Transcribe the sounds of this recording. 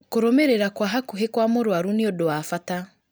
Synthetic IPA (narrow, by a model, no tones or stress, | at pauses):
koɾomeɾeɾakwaɦakuɦekwamoɾwaɾuniodowafata